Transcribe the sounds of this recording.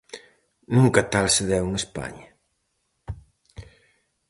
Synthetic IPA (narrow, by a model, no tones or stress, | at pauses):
nũŋkɐt̪alseðɛwŋespa̰ɲɐ